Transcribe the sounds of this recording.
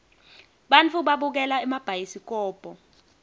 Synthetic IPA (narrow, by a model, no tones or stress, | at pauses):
ɓant͡fʰuɓaɓuk̬ɛlaɛmab̥ʱajisik̬ʼɔːb̥ʱʼɔ